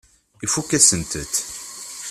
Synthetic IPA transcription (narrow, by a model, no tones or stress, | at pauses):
ifukːæsənt̪ət̪